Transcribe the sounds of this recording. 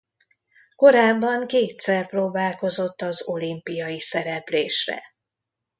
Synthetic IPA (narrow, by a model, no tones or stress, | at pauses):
ko̞ɾaːbːɒŋkeːt̪sɛrproːbaːlko̞zo̞t̪ːɒzo̞limpijɒjisɛɾɛpleːʃrɛ̰